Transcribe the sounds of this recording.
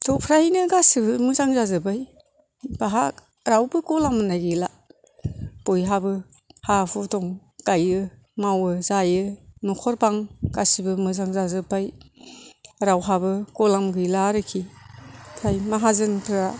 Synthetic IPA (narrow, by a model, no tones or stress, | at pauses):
tʰɔpʰɾainɯɡasibɯmɯzaŋzazɯbaj | baɦa | ɾawbɯkɔlamɯnaɡɯla | pɔjɦabɯ | hapʰɔtɔŋ | kajɯ | mawɯzajɯnɔkʰɔɾbaŋɡasibɯmɯzaŋzazɯbaj | ɾawɦabɯkɔlamɡɯjlaɾɯkʰi | tʰajmaɦazɯnpʰɯɾa